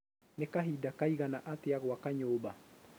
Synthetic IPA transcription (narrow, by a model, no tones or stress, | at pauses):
nekaɦidakaiɣanaʔat̪ijaɣowakaɲoːba